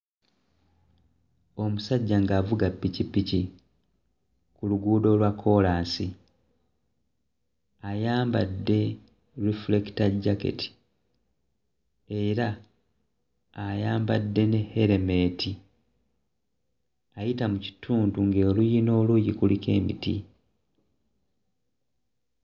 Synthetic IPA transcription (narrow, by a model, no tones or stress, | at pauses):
o̞musaɟːaŋɡaːvuɡapːicipːici | kuluɡuːdo̞lwakʰːo̞laːnsi | ajaːmbadːe̞ | ɾifuleki̥taɟake̞̰tʰi̥ | e̞ɾa | ajaːmbadːe̞nehe̞ɾe̞me̞ːtʰi | ajitamuci̥tʰuːntuŋɡeːlujino̞ːlujikulike̞̰ːmḭtḭ